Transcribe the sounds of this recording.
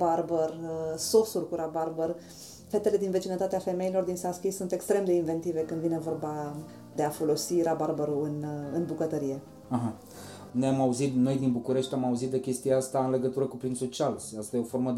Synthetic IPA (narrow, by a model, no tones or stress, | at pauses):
barbərso̞surʲkuɾabarbər | fet̪e̞le̞d̪inve̞t͡ʃinət̪at̪eafe̞me̞ilo̞rd̪insaskʲisunt̪e̞kst̪ɾe̞md̪e̞inve̞nt̪ive̞kɨnd̪vine̞vo̞rba | d̪e̞afo̞lo̞siɾabarbəɾuɨnɨnbukət̪əɾije̞ | aɦa | nojamauzit̪no̞jd̪inbukuɾe̞ʃt̪ʲamauzit̪̚d̪ekʲe̞st̪iaast̪aɨnle̞ɡət̪uɾəkupɾind̪sot͡ʃialsast̪ajeo̞fo̞rmə